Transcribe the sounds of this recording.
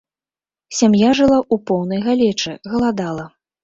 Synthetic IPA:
sʲamjaʐɨlˠaʔupɔwnɐjɣalʲɛt͡ʂɨɣɐlˠad̪alˠɐ

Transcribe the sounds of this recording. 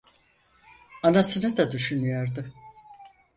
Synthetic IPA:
anasɯnɯd̪ad̪yʃynyjoɾd̪ɯ

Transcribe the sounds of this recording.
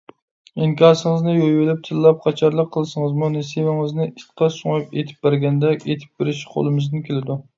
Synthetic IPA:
iŋkʲɑːɾsɨŋəznɨjojwɪlɪp̚t̪ʰɨlːˠɑp̚qʰɑt͡ʃʰɑɾlˠəqʰːəlˠɨsɨŋəzmunesewɪŋɨznɪit̪qʰɑsʊŋɑpet̪ʰɪ̥p̚bæɾɡʲɛnd̪ɛet̪ʰɪ̥p̚b̥eɾɪʃqʰo̰lˠɨmɪznɨnkʲʰelɪd̪u

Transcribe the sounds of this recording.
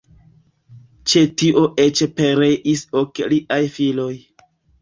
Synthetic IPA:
t͡ʃe̞tiʔo̞ʔet͡ʃpeɾeʔisokliʔajfilo̞j

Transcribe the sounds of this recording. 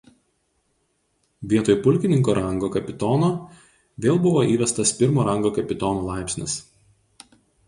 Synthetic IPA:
ʋʲiɛt̪oːjpʊlʲkʲɪnʲɪŋkoːɾʔɐŋɡoːkɐpʲɪt̪ɔːnoː | ʋʲeːlˠbʊʋoːʔiːʋʲɛst̪ɐspʲɪɾmoːɾɐŋɡoːkɐpʲɪt̪ɔːnoːlˠɑˑɪpʲsʲnʲɪ̰s

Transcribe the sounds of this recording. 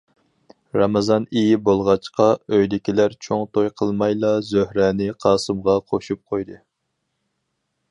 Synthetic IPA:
ɾɑmɑzɑnijibolˠʁɑt͡ʃqʰɑøjd̪ɪkʲilæɾt͡ʃʰoŋt̪ʰojqʰəlˠmɑjlˠɑzøhɾɛnɪqʰɑːsɨmʁɑqʰoʃup̚qʰojd̪ɨ

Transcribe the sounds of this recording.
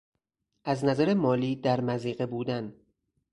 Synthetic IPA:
ʔæznæzæɾemɒːliːd̪æɾmæziːɢe̞buːd̪æn

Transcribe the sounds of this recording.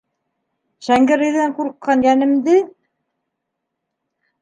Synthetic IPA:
ʃæŋɡɘ̆ɾɘ̆jðæŋquɾqːɑnjænɘ̆md̪ɘ

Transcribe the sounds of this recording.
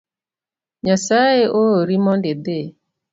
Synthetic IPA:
ɲasaeʔooɾimɔndede

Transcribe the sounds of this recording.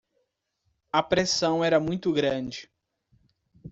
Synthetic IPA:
ɐpɾesɐ̃w̃ɛɾɐmũj̃t̪ʊɡɾɐ̃d͡ʒɪ

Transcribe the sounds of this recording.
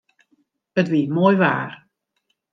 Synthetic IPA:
ətʋiːmoːjʋa̰ːr

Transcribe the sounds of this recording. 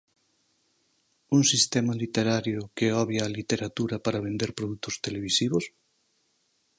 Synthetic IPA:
uŋsist̪ɛmɐlit̪eɾaɾjʊkeɔβjalit̪eɾat̪uɾɐpaɾaβend̪eɾpɾoðut̪ʊst̪eleβ̞isiβos

